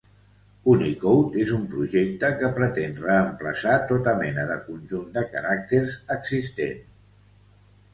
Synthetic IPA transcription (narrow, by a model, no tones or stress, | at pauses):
unikowt̪ezumpɾuʒek̚t̪əkəpɾət̪enrəːmpləsat̪ot̪əmɛnəðəkunʲʒund̪əkaɾak̚t̪eɾzəɡzist̪ḛn